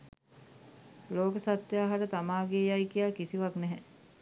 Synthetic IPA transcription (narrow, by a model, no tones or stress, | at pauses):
loːkəsat̪jaːɦaɾət̪amaːɡeːjajkijaːkisiʋaknɛɦɛ